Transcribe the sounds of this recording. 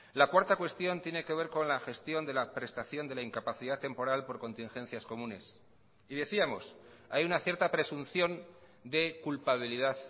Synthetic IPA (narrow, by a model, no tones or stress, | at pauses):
lakwaɾt̪akwe̞st̪jo̞nt̪je̞ne̞ke̞β̞e̞ɾko̞nlaxe̞st̪jo̞nd̪e̞lapɾe̞st̪aθjo̞nd̪e̞laiŋkapaθiðat̪ːe̞mpo̞ɾalpo̞ɾko̞nt̪iŋxe̞nθjasko̞mũne̞s | iðe̞θiamo̞̰s | ajunaθje̞ɾt̪apɾe̞sunθjo̞n | d̪e̞kulpaβ̞iliðað